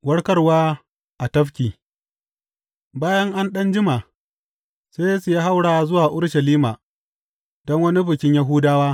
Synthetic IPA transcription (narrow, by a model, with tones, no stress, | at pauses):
wɐ˦ɽkɐ˦rwaː˦ | ʔa˨tɐ˦ɸkʲiː˨ | baː˦jɐ˦ŋʔa˦nɗɐ˦nd͡ʒɪ˦ma˨ | seː˦jsu˨ja˦ɦa˦wɽaː˦˨zʊ˦waː˨ʔʊ˦ɽʃɐ˨liː˦ma˨ | dɔ˦ŋwɐ˦ni˦ɸɪ˨kʲɪ˦ɲja˦ɦʊː˦daː˦waː˦